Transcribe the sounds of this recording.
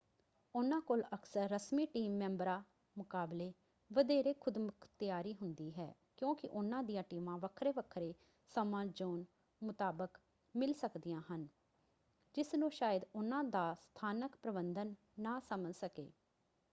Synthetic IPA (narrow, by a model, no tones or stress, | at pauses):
ʊnãːkoːləksəɾːəsmiːʈiːmːɛ̃ːmbɾaː | mʊkaːbleː | ʋəd̪eːɾeːkʰʊd̪mʊkʰt̪ɪjaːɾiːɦʊnd̪iːɦɛ̰ː | kjõːkɪʔʊnãːd̪ijãːʈiːmãːʋəkʰɾeːʋəkʰɾeː | səmãːd͡ʒoːn | mʊt̪aːbək | mɪlsəkd̪ɪjãːɦən | d͡ʒɪsnũːʃaːjəd̪ʊnãːd̪aːst̪ʰaːnəkpɾəbənd̪ənː | aːsəməlsəkḛː